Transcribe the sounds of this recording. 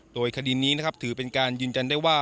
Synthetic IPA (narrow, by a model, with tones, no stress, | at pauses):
doː˧jkʰa˧diː˧niː˦˥na˦˥kʰp̚t̪ʰɯː˩˦pe˧nkaː˧njɯː˧njt͡ɕa˧ndaː˥˩jwaː˥˩